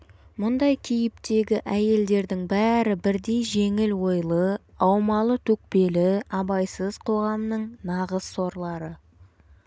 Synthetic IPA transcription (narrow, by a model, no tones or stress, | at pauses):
mʊnd̪ɑjkʲʰijɪp̚t̪e̞ɡʲɪʔæje̞ld̪e̞ɾd̪ɪŋbæɾɪbɪɾd̪e̞jʒe̞ŋɪlwo̞jlˠə | ɑwmɑlˠət̪ʰɵk̚pe̞lɪɑbɑjsəzqʰo̞ʁɑmnəɴnɑʁəz̥so̞ɾlˠɑɾə